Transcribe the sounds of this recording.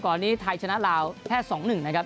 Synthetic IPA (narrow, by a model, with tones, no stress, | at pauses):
kɔː˨˩nːiː˦˥t̪ʰa˧jt͡ɕʰa˧na˦˥ʔlaː˧wt̪ʰɛː˥˩sɔː˩˦ŋnɯ˨˩ŋna˦˥kʰa˦˥p̚